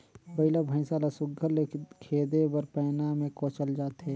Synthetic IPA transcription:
bəɪlabʱə̃ɪ̃saːlasʊɡʱəlekʰeːd̪ebɐɾpɛːnamẽkoːt͡ʃəld͡ʒaːt̪ɦɛː

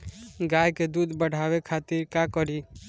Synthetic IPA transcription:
ɡajked̪ud̪bəɽ̤ʱabekʰat̪iɾkakəɾi

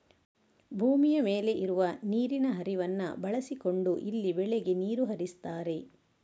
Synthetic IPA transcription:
bʱuːmijɐme̞ːle̞ʔiɾuʋɐniːɾinɐɦɐɾiʋɐnːɐ̰bɐɭɐsiko̞ɳɖuʔilːibɛɭeɡe̞niːɾuɦɐɾist̪aːɾe̞

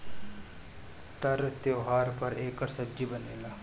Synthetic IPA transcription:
t̪ɐɾt̪joːɦaːɾpɐɾeːkəɾsɐb̚d͡ʒibɐneːlaː

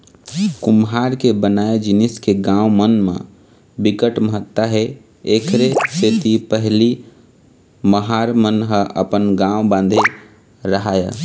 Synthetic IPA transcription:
kumɦaɾkebənaed͡ʒiniskeɡãwmənmḛ̃ | bikəʈməɦət̪ːəɦe | ekʰɾeset̪ipəɦli | məɦaɾmənɦə̃ʔə̰pənɡãwbãːnd̪ʱe | ɾəɦajə

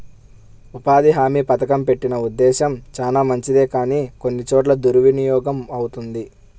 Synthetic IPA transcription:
upaːd̪iɦaːmiːpɐt̪ɐkɐmpe̞ʈːinɐud̪ːɛːʃɐmt͡ʃaːnaːmɐɲt͡ʃid̪eːkaːniːko̞nːit͡ʃoːʈ̬lɐd̪uɾuʋinijɔːɡɐmɐwut̪und̪i

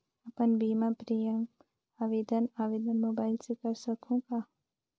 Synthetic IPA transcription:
əpənbiːmapɾijəm | aːʋeːd̪ənaːʋeːd̪ənmoːbaːɪlsekəɾsəkʰũka

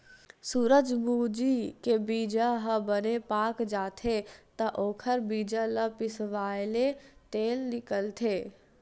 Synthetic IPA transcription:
suːɾəd͡ʒbuːd͡ʒikebiːd͡ʒaɦəbənepaːkd͡ʒaːt̪ʰet̪ɐʔoːkʰəɾbiːd͡ʒalɐpɪsʋaːɪlet̪eːlnɪkəlt̪ʰeː

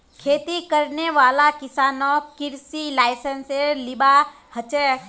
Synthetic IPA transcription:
kʰeːt̪ikɐɾneʋaːlakɪsaːnokɪɾsilaːɪsənseɾlɪba | hɐt͡ʃe

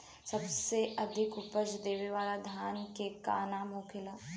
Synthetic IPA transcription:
səbseʔɐd̪ʱɪkʊpəʃd̪eːʋeʋaːlad̪ʱjaːnkeka̰ːnamoːkʰɪlaː

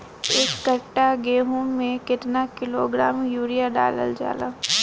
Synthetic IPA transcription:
eːkːəʈːaɡeːɦuːmːẽkɪt̪nakɪloːɡɾaːmjuːɾijaɖa̰ːlə̰ld͡ʒa̰ːla̰ː

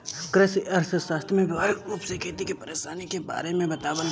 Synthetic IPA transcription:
kɾesiɐɾsəsaːst̪ʰmẽbɪʋaːɾiuːpsekʰeːt̪ikepɐɾeːʃaːnikeba̰ːɾemẽbɐt̪aːbən

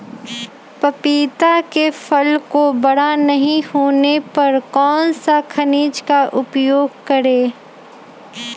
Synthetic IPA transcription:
pɐpiːt̪akefʰɐlkobɐɽ̤anɐɦĩhoːnepɐɾkɔːnsakʰɐniːd͡ʒkaʔʊpjoːɡ̚kɐɾeː

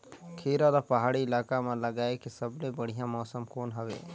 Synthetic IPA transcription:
kʰiːɾad̪apɐɦaːɽiɪlaːkamalɐɡaːekisɐblebəɽ̤ijãmɔːsəmkoːnɦəwḛː

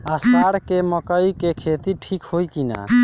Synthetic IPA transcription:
əsaɽkeməkəikekʰeːt̪iʈʰikhojkina̰

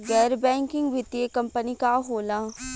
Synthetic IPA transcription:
ɡɛːɾbɛ̃ːŋkɪŋɡʋɪt̪iekəmpənikaːɦoːlãː

